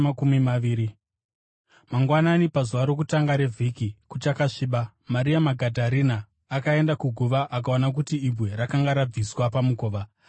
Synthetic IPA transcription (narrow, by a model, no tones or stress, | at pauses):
akumimaʋiːɾi | maŋɡwananipazuʋaɾo̞k̬utaŋɡaɾe̞vʱikikut͡ʃakaʂiːɓa | maɾiamaɡʱadʱaɾinaː | kae̞ndakuɡʱuʋaʔakaonak̬utiibʱwe̞ɾakaŋɡaɾab͡viswapamuko̞ːʋa